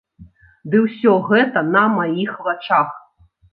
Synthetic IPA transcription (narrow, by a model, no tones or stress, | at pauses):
d̪ɨwsʲɔɣɛt̪ɐnɐmajixvat͡ʂax